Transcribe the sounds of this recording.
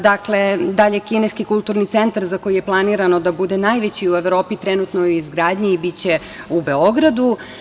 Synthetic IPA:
d̪akle̞d̪aʎekineskikulˠt̪uɾnit̪sent̪aɾzakojije̞plˠaniɾano̞d̪abud̪e̞najʋet͡ɕiue̞ʋɾo̞ːpit̪ɾenut̪nojizɡɾaːd̪ɲiibit͡ɕe | ube̞o̞ɡɾad̪u

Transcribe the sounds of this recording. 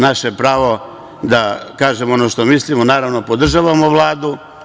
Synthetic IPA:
naʃepɾaːʋo̞ | d̪akaːʒemoonoʃt̪o̞mislimonaːɾaʋno̞po̞d̪r̩ʒaːʋamoʋlˠaːd̪u

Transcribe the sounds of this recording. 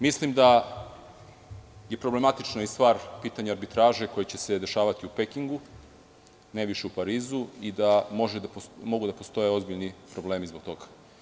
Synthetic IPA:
mislimd̪a | je̞pɾo̞ble̞mat̪it͡ʃnaist̪ʋaːɾpiːt̪aɲaaɾbit̪ɾaːʒe̞ko̞jet͡ɕe̞se̞d̪e̞ʃaːʋat̪iupekiŋɡu | nejʋiʃe̞upaɾiːzuid̪amoʒemo̞ɡud̪apo̞st̪o̞je̞o̞zbiʎnipɾo̞ble̞ːmizbo̞ɡ̚t̪o̞ɡḁ

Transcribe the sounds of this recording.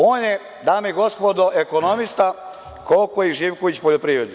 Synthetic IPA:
oːnje | d̪aːmeiɡo̞spod̪oʔekonomist̪a | kokoiʒiʋkoʋit͡ɕpoʎopɾiːʋɾed̪ni

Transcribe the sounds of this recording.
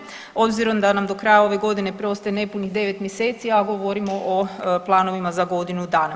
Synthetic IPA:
o̞bziɾo̞md̪anamd̪o̞kɾajao̞ʋe̞ɡo̞d̪ine̞pɾo̞st̪ajene̞puniɦd̪e̞ʋe̞t̪mjese̞ːt̪siaɡo̞ʋo̞ɾimo̞ʔoplˠaːno̞ʋimazaɡo̞d̪inud̪aːna

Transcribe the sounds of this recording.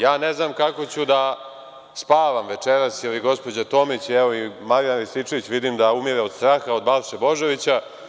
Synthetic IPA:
jaːneznaːmkako̞t͡ɕud̪a | spaːʋamʋe̞t͡ʃeɾasjɛliɡo̞spo̞d͡ʑat̪o̞mit͡ɕɛʋoimaɾijanɾisit͡ʃeʋit͡ɕʋid̪imd̪aumiɾeo̞d̪st̪ɾaːxao̞d̪balʃebo̞ʒe̞ʋit͡ɕa

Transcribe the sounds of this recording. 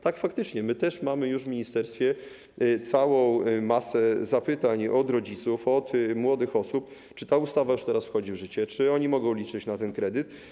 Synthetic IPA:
t̪akfakt̪ɘt͡ʂɲɛmɘt̪ɛʂmamɘjuʐvmʲiɲist̪ɛɾst̪fʲjɛ | t̪sawɔ̃w̃masɛzapɘt̪aɲɔd̪ɾɔd͡ʑit̪sufɔt̪mwɔd̪ɘxɔsup̚ | t͡ʂɘ̥t̪aust̪avajuʂt̪ɛɾasfxɔd͡ʑivʐɘt͡ɕɛt͡ʂɘɔɲimɔɡɔ̃w̃lʲit͡ʂɘt͡ɕnat̪ɛnkɾɛd̪ɘt̪

